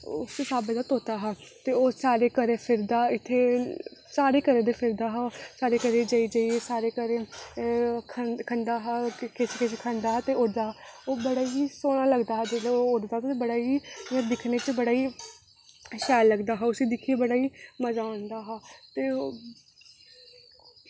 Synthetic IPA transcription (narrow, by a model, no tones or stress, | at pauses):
ʊssaːbɪd̪aːt̪oːt̪aːɦaːt̪eːoːsaːɾeːkəɾẽːpʰɪɾd̪aːɪt̪ʰːeːsaːɾeːkəɾẽːd̪epʰɪɾd̪aːɦaːsaːɾeːkəɾẽːd͡ʒaːid͡ʒaːiesaːɾeːkəɾẽː | kʰəkʰənd̪aːɦaːkɪskɪskʰə̃nd̪aːɦaːt̪eːʊɽd̪aːɦaːoːbəɽaːiːsoːnaːləɡd̪aːɦd̪eleːʊɾd̪aːt̪ːt̪ebəɽaːiːɛ̃ːd̪ɪkʰneːt͡ʃbəɽaːiː | ʃɛːlːəɡd̪aːɦaːʊsiːd̪ɪkʰiebəɽaːiːməzaːʊ̃nd̪aːɦaːt̪eː